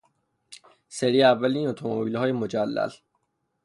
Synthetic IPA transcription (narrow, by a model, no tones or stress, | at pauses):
seɾiːeævːæliːnot̪ʰomoobiːlhɒːjemo̞d͡ʒælːæ̰l